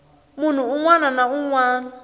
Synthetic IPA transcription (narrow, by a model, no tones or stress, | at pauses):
mun̤uuŋwananauŋwaːna